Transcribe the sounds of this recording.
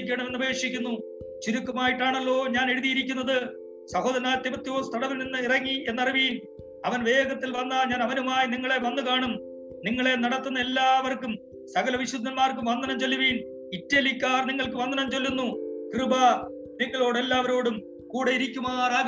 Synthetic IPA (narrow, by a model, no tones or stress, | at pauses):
kʲːɐɳɐme̞nːuɐbʱɐeːkʂikʲːunːu | t͡ɕuɾukːɐmaːjiʈːaːɳɐlːo̞ːɲaːne̞ɽuðijiɾikʲːunːɐðɨ | sɐɦo̞ːd̪ɐɾɐnaːt̪ːimɐt̪ːjo̞ːst̪ʰɐɽɐʋilninːɨirɐŋːie̞nːɐriʋiːn | ɐʋɐnʋe̞ːɡɐt̪ːilʋɐnːaːnɲaːnɐʋɐnumaːjiniŋːɐɭe̞ʋɐnːukaːɳum | niŋːɐɭe̞nɐɽɐt̪ːunːɐe̞lːaːʋɐrkum | sɐɣɐlɐʋiɕud̪ʱːɐnmaːrkumʋɐnd̪ɐnɐmt͡ɕe̞lːuʋiːn | itːɐlikʲːaːrniŋːɐɭkɨʋɐnd̪ɐnɐmt͡ɕe̞lːunːukrɨba | niŋːɐɭo̞ːɽelːaːʋɐɾo̞ːɽum | kuːɽeiɾikʲːumaːraːɡ